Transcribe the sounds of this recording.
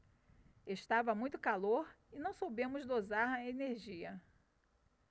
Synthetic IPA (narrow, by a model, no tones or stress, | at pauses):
eʃt̪avɐmũj̃t̪ʊkaloɾ | ɪnɐ̃w̃sowbẽmʊzd̪ozaɾɐeneɾʒiɐ